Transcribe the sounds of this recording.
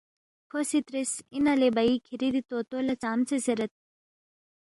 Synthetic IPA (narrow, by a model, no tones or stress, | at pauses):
kʰosit̪ɾisinɐlebɐikʰiɾid̪it̪oːt̪olɐt͡saːmt͡sʰeseɾɐt̪̚